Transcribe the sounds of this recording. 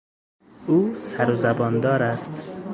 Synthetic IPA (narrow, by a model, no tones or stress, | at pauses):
uːsaɾuzabɒnd̪ɒːɾast̪